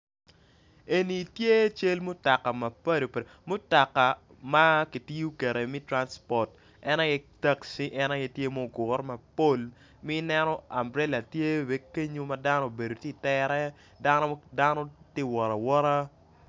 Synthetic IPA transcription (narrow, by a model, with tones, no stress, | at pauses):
e˨ni˨tje˦t͡ʃe˦lmo˦ta˨kːa˨ma˨pa˦do˨ | mʊ˦ta˨kːa˨ | ma˦ki˨ti˦ju˦kɛ˨ɾe˨mɪ˦tɾa˦nspɔ˨t | ɛ˦na˦jɛ˦ta˦ksi˦ʔɛ˦na˦je˦tje˦mo˦ɡʊ˨rma˨po˦l | mi˦nɛ˦nɔ˦a˨mbɾɛ˦la˨tje˦we˦ke˦ɲo˦ma˦da˦no˦˨be˨do˨tɪ˦tɛɾɛ˦ | da˦nɔ˦da˦nɔ˦te˦˨wɔ˨ɾa˨wɔ˦ɾa˦